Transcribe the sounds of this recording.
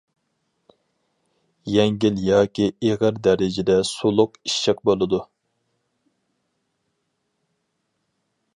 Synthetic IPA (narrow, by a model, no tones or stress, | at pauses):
jɛŋɡʲiljɑːkʲieʁəɾd̪ɛɾɪd͡ʒɪd̪ɛsulˠʊqiʃːɛk̚bolˠɨd̪u